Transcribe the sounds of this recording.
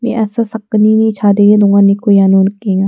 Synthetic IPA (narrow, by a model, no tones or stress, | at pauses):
mḛ̃ʔɛːsasɐkːninĩt͡ʃʰaːd̪eːed̪ũːŋɡanikojaːnuːnkĩːŋa